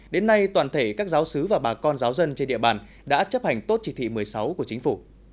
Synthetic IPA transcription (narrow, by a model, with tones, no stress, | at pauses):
ɗe˨˦nːa˧jt̪wa̰ː˧˨˩nt̪ʰe˧˩kaː˦˥k̚zaː˨˦wsɨ˨˦vaː˨˩ɓaː˨˩kɔ˧nzaː˨˦wzə˧nt͡ɕe˧nɗḭ˧˨əɓaː˨˩n | ɗa̰ː˧˥t͡ɕə˦˥p̚ha˨˩jŋ̟t̪o˦˥t̚t͡ɕi˧˩t̪ʰḭ˧˨mɨ˨˩əjsa˨˦wku˧˩ət͡ɕï˨˦ŋ̟fu˧˩